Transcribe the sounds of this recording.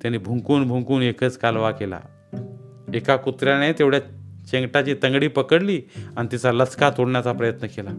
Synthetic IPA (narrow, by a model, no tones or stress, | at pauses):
t̪janiːbʱuŋkuːnbʱuŋkuːnekʰət͡skalʋakela̰ | ekakut̪ɾjanet̪eʋɽ̤jat͡ɕeŋɡʈat͡ɕiːt̪əŋɡɽiːpəkəɽliːaɽ̃nit̪it͡saləskat̪oɽɳjat͡sapɾəjət̪nəkela